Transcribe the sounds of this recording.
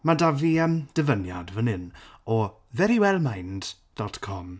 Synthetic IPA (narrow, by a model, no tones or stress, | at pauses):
madaviəmd̥əvənja̰dvənɪnɔ | ðɛɾiwɛlˠmajnd̥ | d̥ɔtkʰɔm